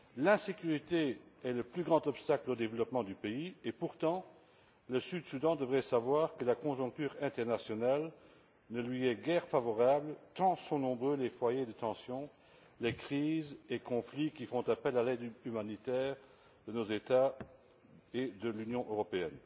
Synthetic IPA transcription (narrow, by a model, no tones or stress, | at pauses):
lɛ̃sekyʁit̪eɛləplyɡʁɑ̃t̪ɔpst̪aklod̪evəlɔpmɑ̃d̪ypeiepuʁt̪ɑ̃ | ləsyd̪sud̪ɑ̃d̪əvʁɛsavwaːʁkəlakɔ̃ʒɔ̃k̚t̪yːʁɛ̃t̪ɛʁnasjɔnal | nəlɥiɛɡɛʁfavɔʁabləkɑ̃sɔ̃nɔ̃bʁølefwajed̪ət̪ɑ̃sjɔ̃ | lekχiːzekɔ̃flikʲifɔ̃t̪apɛlalɛd̪ymanit̪ɛːʁ | d̪ənozet̪a | ed̪əlynjɔ̃ʔøʁɔpeɛ̰n